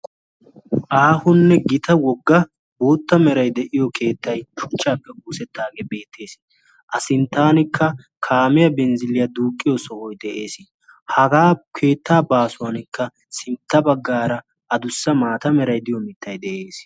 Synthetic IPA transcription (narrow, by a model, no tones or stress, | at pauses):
ʔaːhʊnːɛɡɪt̪ɐwɔɡːɐ | boːt̪ːɐmɛɾɐjd̪ɛʔɪjɔkʰe̞ːt̪ːɐjʃʊ̥t͡ʃːaːpːɛɡuːsɛt̪ʰːaːɡebe̞ːt̪ʰːe̞ːs | ʔɐsɪnt̪ːaːnɪkːɐ | kʰaːmɪjɐbɛnzɪlɪjɐd̪uːkʼːɪjɔsɔhɔjd̪ɛʔe̞ːs | hɐɡaːkʰe̞ːt̪ːaːbaːsʊwɐnɪkːɐ | sɪnt̪ːɐbɐɡːaːɾɐ | ʔɐd̪ʊsːɐmaːt̪ɐmɛɾɐjd̪ɪjɔmɪt̪ːɐjd̪ɛʔeːs